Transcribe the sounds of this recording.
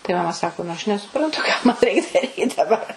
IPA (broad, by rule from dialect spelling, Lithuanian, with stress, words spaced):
tɐɪ mɐˈmɐ ˈsɑːkoː nʊ ˈɐʃ nʲɛsʊˈprɐntʊ kɑː ˈmɐn ˈrʲɛɪk ˈdɑːrʲiːt dɐˈbɐr